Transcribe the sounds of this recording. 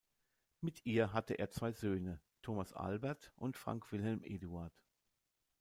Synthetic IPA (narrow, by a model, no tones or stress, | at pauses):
mɪtʰʔiːɐɦatəʔḛːɐt͡sv̥aɪzøːnətʰoːmasʔa̰lbɛɐtʔʊntfʁ̥a̰ŋkv̥ɪlɦɛlmʔeːduaɐt